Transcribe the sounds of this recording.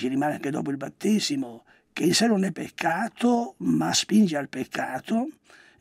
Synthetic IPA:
t͡ʃirimaːnea̰ŋked̪ɔ̰ːp̬oilbat̪ːeːzimo | keilsɛnonɛpːekʰːaːt̪omaspind͡ʒealpekʰːaːt̪o

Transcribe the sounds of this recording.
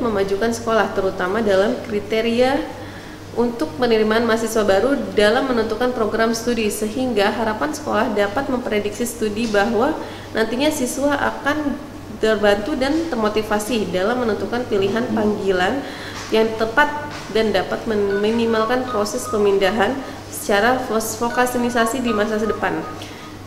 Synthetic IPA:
məmad͡ʒukansə̥kolaht̪əɾut̪amadalamkɾit̪eɾia | ʔunt̪ʊk̚pənəɾimaːnmasiswabaɾudalamːənənt̪ukanpɾoɡɾamsə̥t̪udisəɦiŋɡaɦaɾapansə̥kolahdapat̪̚məmpɾedik̚sisə̥t̪udibaɦwa | nʔant̪iɲasiswaʔa̰kan | t̪ərbant̪udant̪ərmot̪ifasidalamːənənt̪ukanpiliɦanpaŋɡilan | jaŋt̪əpat̪̚ | dandapat̪̚məminimalkanpɾosɛspəmindaɦan | sə̥t͡ʃaɾafokasinisasidimas̬as̬ədəpan

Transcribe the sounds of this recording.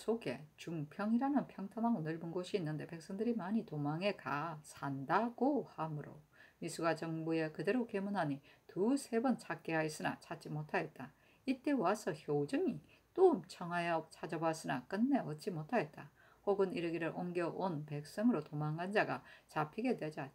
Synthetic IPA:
sʰoɡe̞̰t͡ɕuŋpʰjʌŋiɾanɯnpʰjʌŋtʰʌmaɡonɯɭmunɡoɕʰiːnːɯnde̞pe̞k̚s͈ʌŋdɯɾimaɲitomaŋe̞kasʰandaɡ̥ohamɯɾo̰ | mis͈ʰuɡat͡ɕʌŋbue̞kɯde̞ɾokemunɦaɲitusʰe̞bʌnt͡ɕʰak͈eɦais͈ɯna̰t͡ɕʰat͡ɕ͈imotʰaɡet̚t͈a | it͈e̞wasʰʌçjod͡ʑɯŋi | t͈oɯmt͡ɕʰʌŋwajʌt͡ɕʰad͡ʑʌbas͈ɯnak͈ɯnːe̞ʌt͡ɕ͈imotʰaɡet̚t͈a | hoɡɯniɾɯɡiɾɯɾʔoŋɡjʌʔonpe̞k̚s͈ʌŋɯɾotomaŋɦand͡ʑaɡat͡ɕapʰiɡe̞dwe̞d͡ʑa

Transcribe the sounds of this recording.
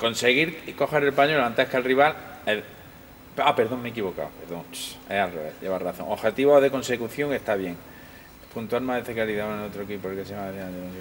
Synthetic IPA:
ko̞nseɣiɾko̞xe̞ɾelpaɲolãnt̪ehkalriβale | apeɾðo̞ŋmeːkiβo̞ka̰wpeɾðõŋealreβḛθʝeβaraθõ̞̰ŋoxe̞t̪iβoðe̞ko̞nse̞kuθjo̞ŋe̞ht̪aβje̞ŋ | punt̪ualmaðeθekaɾiðaonenot̪ɾokipoekeseamaeθia

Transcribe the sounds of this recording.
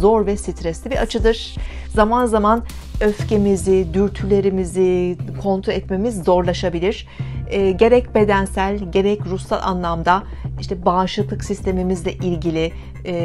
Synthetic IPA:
zoɾvɛsit̪ʰɾɛslʲibiat͡ʃʰɯd̪ɯɾ̥ | zamanzaman | ø̞fce̞mizid̪yɾt̪ʰylʲe̞ɾimizikʰo̞nt̪ʰɾoɛt̪me̞mizːo̞ɾlˠaʃabilʲiɾ̥ | ɛːɟe̞ɾɛcbe̞d̪ænsælʲɟe̞ɾɛcɾusa̰lʲˠʔa̰nlˠamd̪a | iʃt̪ʰɛbaːʃlˠɯklˠɯksist̪ʰe̞mimizlʲɛʔilʲɟilʲi

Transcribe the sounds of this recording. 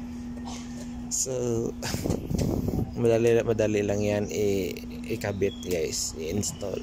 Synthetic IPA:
so | məalimədalilaŋiani | ikabɪt̪̚jasinst̪ɔ̰l

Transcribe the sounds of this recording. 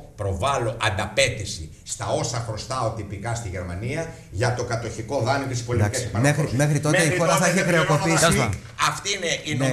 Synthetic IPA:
pɾo̞vɐlo̞ʔɐnd̪ɐpe̞t̪isi | st̪ɐo̞sɐxɾo̞st̪ɐot̪ipikɐst̪iʝeɾmɐniɐ | ʝɐt̪o̞kɐt̪o̞çiko̞ðɐniet̪sispolit̪akesipɐmexɾimexɾit̪ot̪ɐifoɾɐθɐiçexɾeoko̞pisi | ɐft̪iineine

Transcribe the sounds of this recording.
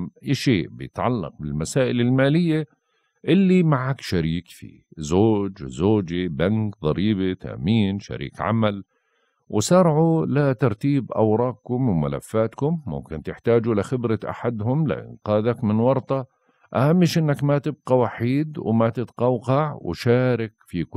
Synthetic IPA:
ʔiːʃeːʔbɪjɪt̪ʕalːɑ̰q̚bɪlmasaːʔɪlɪlmaːlɪjːa | ʔɪlːimaʕakʃaɾiːkfḭ | zoːd͡ʒzoːd͡ʒibankðˤɑɾiːbit̪ʰa̰miːnʃa̰ɾḭːkʕa̰mal | wʔsɑɾˤʕulat̪ɑɾˤt̪iːbʔa̰wɾˤɑːq̚kʊmwma̰la̰fːaːt̪kʊmːʊ̰mkɪnt̪ɪħt̪aːd͡ʒuɪlɪxɪbɾaʔa̰ħad̪hʊmlɪ̰ʔɪ̰nqɑːðakmɪnwɑɾˤt̪ɑ | ʔahamːɪʃʔɪnːakmat̪ɪb̚qawaħiːd̪wmat̪ɪt̪qɑwqɑʕw̰ʃaːɾɪkfik

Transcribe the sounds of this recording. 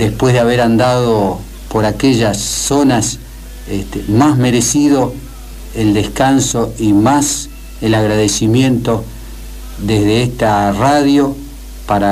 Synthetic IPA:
d̪e̞spwe̞zðeaβeɾand̪aðo | po̞ɾakeʒasːo̞nas | est̪emazme̞ɾe̞siðo̞ | eld̪e̞skanso̞imas | elaɣɾaðesimjẽ̞nt̪o̞ | ðezðeest̪araðjo̞ | paɾa

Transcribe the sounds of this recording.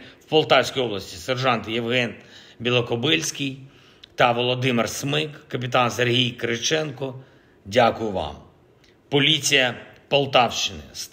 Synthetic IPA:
wpɔlˠt̪ɑwsʲkʲijɔblˠɐsʲtʲiserʒɑnt̪jewɦɛnbʲilˠɐkɔbɪlʲsʲkʲɪj | t̪ɐʋɔlˠɔd̪ɪmɪrsmɪkːɐp̬ʲɪt̪ɑnserɦʲijkɾɪt͡ʃɛnkɔ | dʲakʊjʊʋɑ̰m | pɔlʲit͡sʲijɐpɔlˠt̪ɑwʃt͡ʃɪnɪ̰s

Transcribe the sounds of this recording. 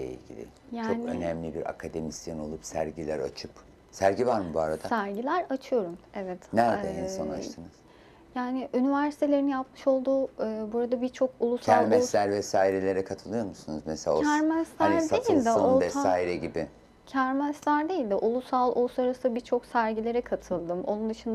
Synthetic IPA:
ḛḭlʲɟʲḭlʲɪ̰ | jat͡ʃːonø̰nɛmlʲibiɾa̰kʰad̪e̞misjano̞lˠupsæɾɟilʲæɾa̰t͡ʃʰɯp | sæɾɟivaɾmɯbuaɾad̪asæɾɟilʲæɾat͡ʃʰɯjo̞ɾumɛvɛt̪næɾd̪ɛɦensona̰t͡ʃt̪ʰɯnɯz̥ | jaːnɪʔynivæɾsi̥t̪ʰe̞lʲe̞ɾinjapmɯʃo̞lˠd̪uːɯːbuɾad̪abiɾt͡ʃʰo̞kulˠusʰælɾmɛlʲæɾvɛsaːiɾelʲe̞ɾɛkʰat̪ʰɯlˠɯjo̞ɾmusunuzmeselʲa̰æɾmæslæɾd̪ejilʲd̪ɛovɛaːiɾɛɟibɪ | cʰæɾmæsit̪lʲæɾd̪e̞jilʲd̪ɛʔulˠusalˠolˠsaɾasbiɾt͡ʃʰo̞ksæɾɟilʲe̞ɾɛkʰat̪ʰɯlˠd̪ɯmo̞̰nund̪ɯʃɯnd̪a

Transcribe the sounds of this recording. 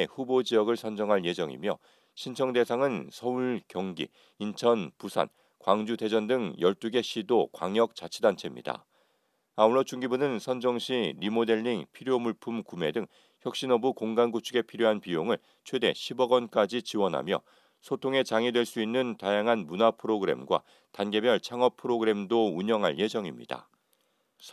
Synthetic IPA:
ɸubod͡ʑijʌɡɯɭsʰʌnd͡ʑʌŋɦanje̞d͡ʑʌŋḭmjʌ̰ | ɕʰint͡ɕʰʌŋde̞sʰaŋɯnsʰʌuɭkjʌŋɡḭ | int͡ɕʰʌnpusʰa̰n | kwaŋd͡ʑude̞d͡ʑʌndɯŋjʌɭt͈uɡe̞ɕʰidokwa̰ŋjʌk̚t͡ɕ͈at͡ɕʰidant͡ɕʰe̞mɲḭda̰ | auɭːʌt͡ɕuŋɡibunɯnsʰʌnd͡ʑʌŋɕʰiɾimode̞ɭːiŋpʰiɾjomuɭpʰumkume̞̰dɯŋ | çjʌk̚ɕ͈inʌbukoŋɡanɡut͡ɕʰuɡe̞pʰiɾjoɦanpijoŋɯɭ | t͡ɕʰwe̞de̞̰ɕʰibʌɡʌnk͈ad͡ʑit͡ɕiwʌnɦa̰mjʌ̰ | sʰotʰoŋe̞t͡ɕaŋidwe̞ɭs͈uinːɯntajaŋɦanmunapʰɯɾoɡɯɾe̞̰mɡwa̰ | tanɡe̞bjʌɭt͡ɕʰaŋʌpʰɯɾoɡɯɾe̞mdouɲʌŋɦaɭje̞d͡ʑʌŋimɲḭd̥a̰

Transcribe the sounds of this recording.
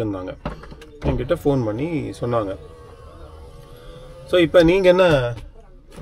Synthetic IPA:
ɾɯnd̪aːŋɡɐ | ɛŋɡɐɪʈ̬ːɐfoːnpɐɳːisɔnːaːŋɡɐ | soːɪpːɐniːŋɡɐɛnːɐ

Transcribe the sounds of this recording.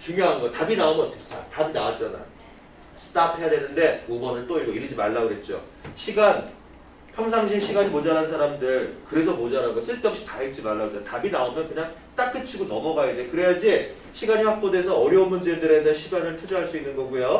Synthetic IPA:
t͡ɕuŋjoɦanɡʌtabinaomʌtʰe̥t͡ɕ͈a̰tabinawat͡ɕ͈ana̰jo | sʰɯ̥t͈ʰapʰe̞jadwe̞nɯnde̞mobʌnɯɭt͈oiɡoiɾid͡ʑimaɭːaɡoɾe̞t̚t͡ɕ͈o̰ | ɕʰiɡan | pʰjʌŋsʰaŋɕʰiɭɕʰiɡaɲimod͡ʑaɾansʰaɾamdɯɭkɯɾe̞s̬ʰʌmod͡ʑaɾanɡʌs͈ʰɯɭt͈ʌp̚ɕ͈i̥taɦit͡ɕ͈imaɭːaɡosʰtabinaomjʌnkɯɲaŋ | t͈ak̚k͈ɯt͡ɕʰiɡonʌmʌɡaidekɯɾe̞jad͡ʑi | ɕʰiɡaɲiɸwak̚p͈ode̞sʰʌʌɾjʌunmund͡ʑedɯɾe̞deeɕʰiɡanɯɭtʰud͡ʑoɦaɭs͈uinːɯnɡʌɡujo

